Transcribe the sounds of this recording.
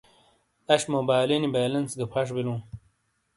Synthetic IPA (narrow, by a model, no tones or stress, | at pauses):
ɐɕmobaːlinibaːlɐnsɡɐpʰɐʂ̬bilũː